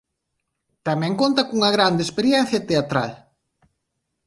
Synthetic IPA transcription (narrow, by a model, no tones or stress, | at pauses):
t̪amɛ̃ŋkont̪ɐkuŋɐɣɾand̪espeɾjɛn̟θjɐt̪eat̪ɾa̰l